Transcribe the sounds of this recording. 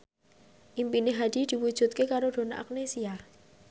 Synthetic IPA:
ʔimpineɦad̪̥i̤d̪̥i̤wud̥ʒ̥ṳt̪̚kekaɾoɖ̪̥o̤naʔa̰k̚nesia

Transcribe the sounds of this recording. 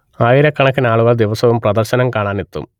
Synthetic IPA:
aːjiɾɐkːɐɳɐkːinaːɭuɣaːd̪iʋɐsɐʋumprɐd̪ɐrɕɐnɐmkaːɳaːnet̪ːṵm

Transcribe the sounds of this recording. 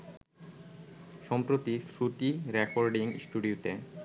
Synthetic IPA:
ʃɔmpɾot̪isɾuʈiɾekoɾɖiŋsʈuɖiuʈe

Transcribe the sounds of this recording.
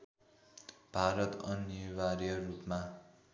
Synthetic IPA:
b̥ʱaɾʌt̪ʌnjʌwaɾjʌrupma

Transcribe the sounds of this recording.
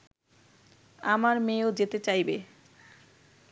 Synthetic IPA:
amaɾmeod͡ʑet̪et͡ɕajbe

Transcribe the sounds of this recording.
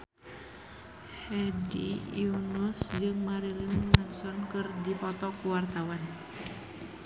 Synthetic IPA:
hɛdḭjunusd͡ʒɨŋmaɾiliŋnansɔnkɨrdipɔt̪ɔkuwart̪awan

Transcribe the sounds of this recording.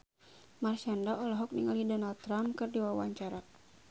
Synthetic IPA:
marsandaʔɔlɔɦɔk̚niŋalidɔnald̪̚t̪ːɾamkɨrdiwawa̰ɲt͡ʃaɾa

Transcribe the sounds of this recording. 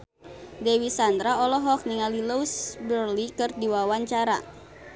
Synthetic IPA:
dewisand̪ɾaɔlɔɦɔk̚niŋalilousbərlikɨrdiwawaɲt͡ʃaɾa̰

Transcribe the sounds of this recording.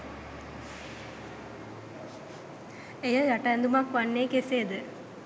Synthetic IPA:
ejəjaʈaːnd̪umakʋanːeːkesed̪ə

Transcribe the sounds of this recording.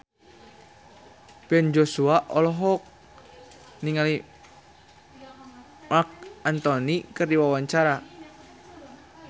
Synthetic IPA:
pɛnd͡ʒosuaʔɔlɔɦɔk̚ | niŋali | mak̚ant̪ɔnikərdiwawaɲt͡ʃaɾa

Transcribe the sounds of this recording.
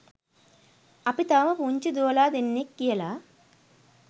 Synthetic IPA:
ɐpit̪aːmɐpuːɲt͡ʃid̪oːlaːd̪enːikːijɐlaː

